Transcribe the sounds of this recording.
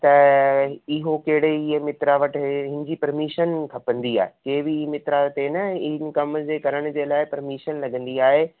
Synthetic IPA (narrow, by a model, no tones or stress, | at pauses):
t̪ɐ | ɪɦokɐɦɪɽeimɪt̪ɾaʋɐʈɦɪ̃nɪd͡ʑipɐɾmiːʃənkʰɐpə̃nd̪ia̰ːɦekeːbɪmɪt̪ɾaʋɐʈ̪enɐɪnɪ̆kɐmʊd͡ʑeːkɐɾəɽ̃d͡ʑeːlaːɪpɐɾmiːʃənlɐɡə̃nd̪iaːɦe